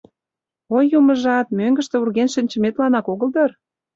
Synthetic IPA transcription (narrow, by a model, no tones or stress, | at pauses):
ojːumə̆ʒɑt̪̚møŋɡə̆ʃt̪ĕurɣenʃə̆nʲt͡ɕə̆met̪lɑnɑkoɣə̆ld̪ɤr